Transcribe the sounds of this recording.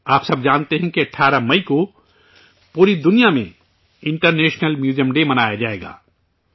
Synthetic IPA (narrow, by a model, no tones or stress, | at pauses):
aːpsɐbd͡ʒaːnt̪eɦɛ̃kiɐʈʰːaːɾamɐiko | puːɾid̪ʊnijamḛ̃ | ɪ̃ɳʈəɾneːʃnəlmjuːd͡ʒijəmɖeːmɐnaːjad͡ʒaːeːɡa̰ː